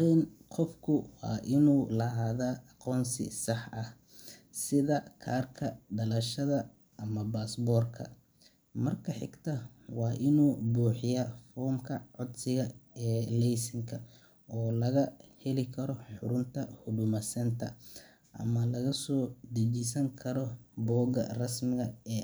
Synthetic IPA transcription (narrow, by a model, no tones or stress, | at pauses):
ɛnqʰɔfkʰʊwɑ̰ːʔɪnuːlɐɦaːðaːɑqɔːnsɪ̰sɑħɐh | sɪðɐkʰa̰ːrkʰɐɖɐlɐʃɐðɐ | ɐmɐbaːsbɔːrkʰɐ̰ | mɐrkʰɐħɪ̰ɡt̪ʰɐ | wɑːʔɪnuːbuːħɪjafɔːmkʰɐʕʊd̪sɪɣɐɛːlɛjsɪŋkʰɐ | ɔːlɐɣɐhɛlɪkʰɐɾɔħʊɾʊnt̪ʰɐhʊdʊmɐsɐnt̪ʰɐ̰ | ʔɐ̰mɐlɐɣɐsɔːd̪ɐt͡ʃisɐŋkʰɐɾɔbɔːɡɐrɐsmɪɣɐɛː